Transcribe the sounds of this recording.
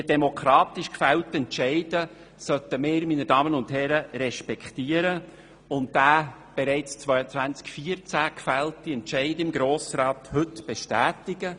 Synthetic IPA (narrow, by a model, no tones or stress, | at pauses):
ədɛmokʰχɾɑːtɪʃkfɛltɛntʃɛɪdə | sœt̪əmɪːɾminədɑːmənʊndhɛɾəɾɛʃpɛktiːəɾə | ʊntdaː | b̥eɾɛɪt͡st͡sʋœʏət͡sʋænt͡skfiːərt͡sæːkfæltːiɛntʃɛɪdɪmɡɾoːsrɑːt̪hɵtb̥ɛʃtæːtɪɡə